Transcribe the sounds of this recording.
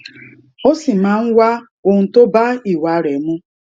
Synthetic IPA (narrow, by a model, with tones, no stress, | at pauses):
o˦si˨ma˨˦ŋ̩˦wʷa˦ | o˨n̩˨to˦ba˦i˨wa˨˦ɾe˨mʊ˦